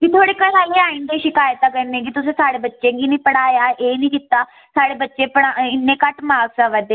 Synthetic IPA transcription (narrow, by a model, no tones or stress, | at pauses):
kiːt̪ʰoːɽeːkəɾaːiaːĩnd̪eːʃɪkaːjət̪ãːkəɾnẽːkiːt̪ʊsẽːsaːɽeːbətːʃẽːɡiːnĩːpəɽaːjaːʔeːnĩːkit̪ːaː | saːɽeːbətːʃẽːpəɽaɪnːẽːkəʈmaːɡsãːʋɛd̪eː